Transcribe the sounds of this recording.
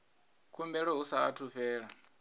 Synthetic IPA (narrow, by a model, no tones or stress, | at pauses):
kʰumbɛɺɔɦusaatʰuɸɛːɺa